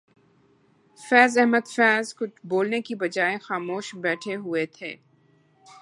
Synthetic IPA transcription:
fɛːzɛɦməd̪fɛːzkʊt͡ʃʰboːlnekibɐd͡ʒaːexaːmoːʃbɛːʈʰeɦʊet̪ʰḛː

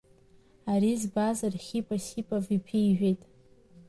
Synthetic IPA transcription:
aɾizbazarχʲipʼasipʼavipʰiiʒᶣejtʼ

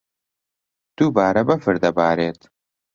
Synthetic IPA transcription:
d̪̥ubaːɾɐbɐfɨɾd̪ɐbaːɾeːt̪

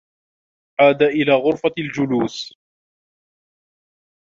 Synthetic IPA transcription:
ʕaːd̪aʔɪlaːɣʊɾfald͡ʒʊluːs

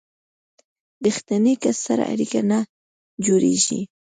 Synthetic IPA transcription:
d̪əxt̪anekasaɾa̰ʔa̰ɾikana | d͡ʒoɾḛʒḭ

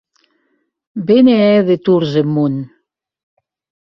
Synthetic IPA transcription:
beneɛðet̪uɾzemːun

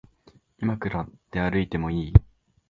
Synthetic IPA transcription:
imakɯ̟ɾat̪ːe̞aɾɯ̟it̪e̞mo̞iː

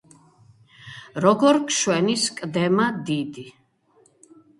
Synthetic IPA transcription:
ɾɔɡɔɾkʰʃwɛniskʼd̪ɛmad̪id̪i

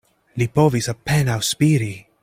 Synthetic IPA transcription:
lipɔvisapːɛnawspiːɾi

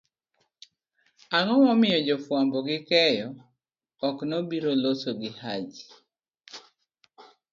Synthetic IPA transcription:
aŋɔwɔmɪjɔd͡ʒɔfwambɔɡɪkɛjɔː | knobiɾolosoɡɪhad͡ʒ

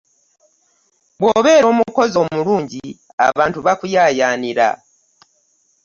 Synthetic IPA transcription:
βwo̞ːβe̞ːɾo̞ːmuko̞zo̞ːmuɾuːɲɟi | a̰βaːntuβakujaːjaːniɾa̰

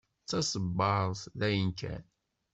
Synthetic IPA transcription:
t͡sːɑsəbːɑɾˤsðæjənkæ̰n

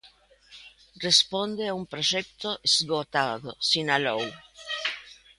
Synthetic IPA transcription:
respond̪eaumpɾot͡ʃɛp̚t̪oʔesɡot̪aːðosinalow

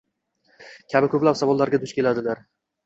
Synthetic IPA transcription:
kʲʰabɪkʰʲɵplapsavɒlˠːaɾɡʲad̪ʊʃkʲʰe̞lad̪ɪlaɾ

